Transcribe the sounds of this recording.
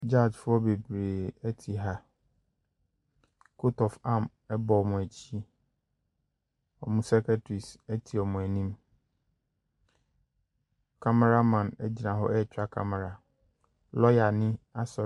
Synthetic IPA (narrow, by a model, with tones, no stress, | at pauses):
d͡ʑa˦˨d͡ʑfʊ˦ɔ˦be˨bɾeː˨æ˦tʰi˨ɦa˦ | kʰo˦tʰɔ˨fã˦m | ɛ˦bɔ˨mʊ̃˨æ˨t͡ɕʰi˦ | ɔ̰˨mũ˦sa˦kʰa˦tʰɾi˨sæ˦tʰi˨ɔ˨mʊ̃˨æ˨nĩ˦m | kʰa˦m˦ɾa˦mã˨nɛ˦d͡ʑi˨nã˨ɦɔ̰˦ɛ˦˨t͡ɕʰᶣa˦kʰa̰˦m˨ɾa˨ | lɔ˦ja˨nɪ̃˦a˦sɔ˨